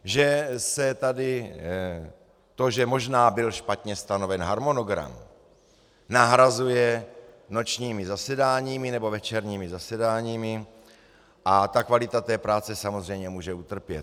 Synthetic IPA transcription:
ʒɛsɛt̪adɪ | t̪o̞ʒɛmo̞ʒnaːbɪlʃpat̪ɲɛst̪ano̞vɛnɦaɾmo̞no̞ɡɾa̰m | naɦɾazujɛ | no̞t͡ʃɲiːmɪzasɛdaːɲiːmɪnɛbo̞vɛt͡ʃɛɾɲiːmɪzasɛdaːɲiːmɪ | ʔat̪akvalɪt̪at̪ɛːpɾaːt͡sɛsamozrɛjmɲɛmuːʒɛut̪r̩pjɛt̪

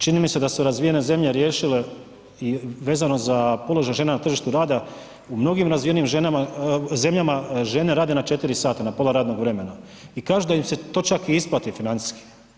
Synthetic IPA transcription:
t͡ʃinimised̪asuɾazʋijene̞ze̞mʎe̞ɾje̞ːʃile̞ | iʋe̞ːzano̞zapo̞lo̞ʒajʒe̞ːnanat̪r̩ʒiʃt̪uɾaːd̪a | umno̞ɡimɾazʋijenimʒenamaze̞mʎamaʒe̞ne̞ɾaːd̪e̞nat͡ʃe̞t̪iɾisaːt̪anapo̞lˠaɾaːd̪no̞ɡʋɾe̞me̞na | ikaːʒud̪aimse̞t̪o̞ːt͡ʃakiisplˠat̪ifinant̪i̥ski̥

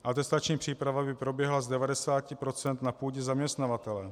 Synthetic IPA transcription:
ʔat̪ɛst̪at͡ʃɲiːpr̥iːpɾavabɪpɾo̞bjɛɦlazdɛvadɛsaːcɪpɾo̞t͡sɛnt̪napuːɟɛzamɲɛst̪navat̪ɛlɛ

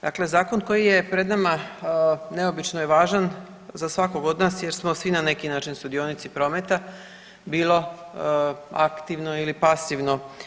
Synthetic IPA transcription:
d̪akle̞zaːko̞nko̞jije̞pɾe̞d̪nama | ne̞o̞bit͡ʃnojeʋaːʒan | zasʋakoɡo̞d̪naːsjeɾsmo̞sʋinane̞kinaːt͡ʃinst̪ud̪io̞nit̪sipɾo̞met̪a | biːlˠo̞ | a̰kt̪iʋnoilipasiʋno̞

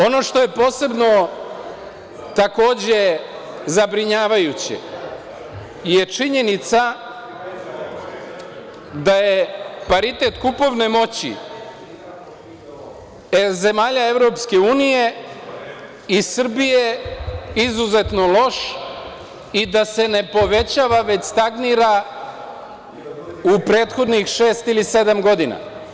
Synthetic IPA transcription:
o̞no̞ʃt̪o̞je̞po̞ːse̞bno̞ | t̪ako̞ːd͡ʑe̞ | zabɾiɲaːʋajut͡ɕḛ | je̞t͡ʃiɲe̞nit̪sa | d̪ajepaɾit̪e̞t̪kupo̞ʋne̞mo̞t͡ɕḭ | eze̞maːʎae̞ʋɾo̞pske̞uːnije̞ | isr̩bije | izuze̞t̪no̞lˠo̞ʃ | id̪ase̞ne̞po̞ʋe̞t͡ɕaːʋaʋe̞t͡ɕst̪aɡniɾa | upɾe̞ːt̪xo̞d̪nixʃe̞ːst̪ilise̞d̪amɡo̞d̪ina̰

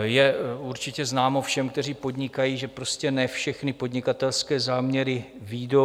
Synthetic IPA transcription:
jɛuɾt͡ʃɪcɛznaːmofʃɛmkt̪ɛr̝iːpo̞dɲɪkajiːʒɛpɾo̞scɛnɛfʃɛxnɪpo̞dɲɪkat̪ɛlskɛːzaːmɲɛɾɪ | viːdo

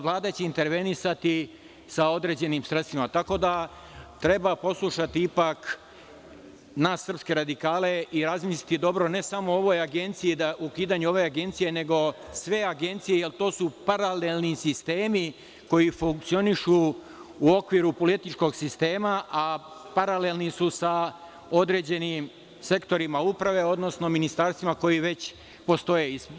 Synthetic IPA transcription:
ʋlˠaːd̪at͡ɕeint̪e̞ɾʋe̞nisat̪i | sao̞d̪ɾe̞d͡ʑe̞nimsɾest̪ʋimat̪ako̞d̪a | t̪ɾe̞bapo̞slˠuʃat̪iipak | naːsːr̩pske̞ɾad̪ikaːle̞iɾazmislit̪id̪o̞bɾo̞ne̞samo̞o̞ʋo̞jaɡe̞nt̪sijid̪aukiːd̪aɲuo̞ʋe̞aɡe̞nt̪sije̞ne̞ɡo̞sʋe̞aɡe̞nt̪sijejelt̪o̞ːsupaɾale̞lˠnisist̪e̞ːmi | ko̞jifuŋk̚t̪io̞niʃu | uo̞kʋiɾupo̞lit̪it͡ʃko̞ɡsist̪e̞ːmaʔa | paɾale̞lnisusa | o̞d̪ɾe̞ːd͡ʑe̞nim | se̞kt̪o̞ɾimaupɾaʋe̞o̞d̪no̞sno̞minist̪aɾst̪ʋimako̞jiʋe̞t͡ɕ | po̞st̪o̞je̞is

